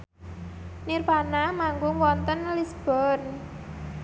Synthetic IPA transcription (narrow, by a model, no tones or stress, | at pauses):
nirpanamaŋɡʊŋwɔnt̪ənlisb̥ɔ̤n